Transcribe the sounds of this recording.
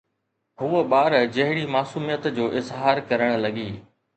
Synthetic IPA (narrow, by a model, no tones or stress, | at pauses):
ɦuːəɓaːɾd͡ʑɐɦɪɽimaːsuːmijət̪d͡ʑoːʔɪzɦaːɾkɐɾəɽ̃lɐɠiː